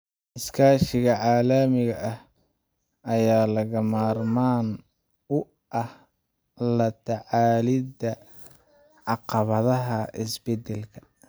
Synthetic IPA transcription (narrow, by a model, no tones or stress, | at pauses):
ʔɪskʰaːʃɪɣɐʕaːlɐmɪɣɐʔɐh | ɐjaːlɐɣɐmaːrmaːn | ʊ | ʔɐh | lɐt̪ʰɐʕaːlɪd̪ɐ | ʕɑqɑβɐðɐɦɐʔɪsbɛd̪ɛlkʰɐ̥